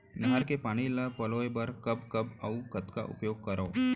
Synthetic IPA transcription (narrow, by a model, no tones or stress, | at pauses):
nɦaɾkepaɽ̃ilapəlojbəɾkəbkəbaũkət̪ka̰ʔṵpjoɡ̚kəɾo